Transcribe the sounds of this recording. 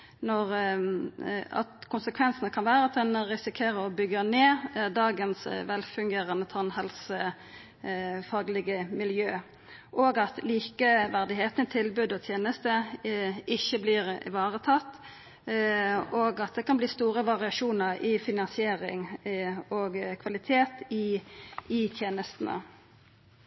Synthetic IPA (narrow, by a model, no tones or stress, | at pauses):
nɔʁ | ɑ̰t̪kʰʊnsəkʰʋɛnsənəkʰɑnʋæːɾəɑt̪̚d̪ɛnʁɪsɪkʰeːɾəʁɔbʏɡəneːd̪ɑːɡənsʋɛlfʉŋɡeːɾənət̪ʰɑnhɛlsə | fɑːɡlɪɡəmɪljøː | ʔoːɡɑt̪liːkəʋæʁd̪ɪɦeːt̪nt̪ʰɪlbʉd̪ɔt̪ʰjeːnəst̪ə | ɪçːəblɪːʁ̰ʋɑːʁət̪ʰɑt̪ː | oːɡɑt̪̚d̪ɛkɑnbliːst̪uːʁəʋɑʁɪɑʃuːnəʁɪfɪnɑnsɪeːɾɪ̰ŋ | ɔɡkʰʋɑlɪt̪ʰeːt̪ɪ | ɪt̪ʰjeːnəst̪n̩ə̰